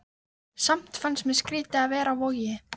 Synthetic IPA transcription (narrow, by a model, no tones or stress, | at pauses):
sam̥t̪fansmɛðskɾiːt̪ɪaðvɛːɾavoɣjɪ